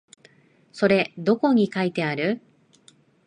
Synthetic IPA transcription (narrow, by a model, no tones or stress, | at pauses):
so̞ɾe̞d̪o̞ko̞ɲ̟ikait̪e̞aɾɯ̟